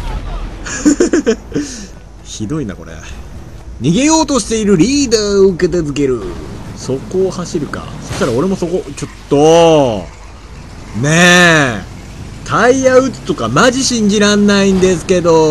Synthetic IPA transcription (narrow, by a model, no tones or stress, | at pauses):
çid̪o̞ina̰ko̞̰ɾḛ | ɲ̟iɡe̞jo̞ːt̪o̞ɕi̥t̪e̞iɾɯ̟ɾʲiːd̪aːɯke̞t̪ezɨk̬e̞ɾɯ̟so̞ko̞ːhaɕiɾɯ̟ka̰so̞ɕt̪aɾao̞ɾe̞mo̞so̞ko̞t͡ɕo̞t̪ːo̞ | ne | t̪ʰaiaɯ̟t͡sɨ̥t̪o̞kamaʑiɕĩɲ̟d͡ʑiɾãnːaĩnd̪e̞sɨ̥ke̞d̪o̞